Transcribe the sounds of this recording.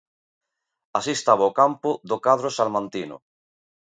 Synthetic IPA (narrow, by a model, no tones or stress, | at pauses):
asiest̪aβaʊkampʊðʊkaðɾʊsalmãnt̪inʊ̰